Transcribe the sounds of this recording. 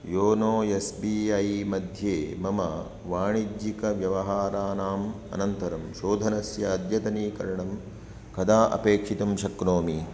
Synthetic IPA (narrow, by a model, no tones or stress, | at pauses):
joːnoːjesbiːɐjmɐd̪ʱjeːmɐmɐ | ʋaːɳid͡ʒjikɐʋjɐʋɐɦaːɾaːnaːm | ɐ̰nɐnt̪ɐɾɐmʃoːd̪ʱɐnɐsjɐːd̪jɐt̪ɐniːkɐɾɐɳɐm | kɐd̪aːʔɐ̰peːkʂit̪ɐmʃɐkɾoːmi